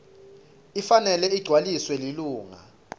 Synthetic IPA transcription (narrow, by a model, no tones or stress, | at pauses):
ifanɛlɛiɡ͡ǀʱwaliswɛliluːŋa̰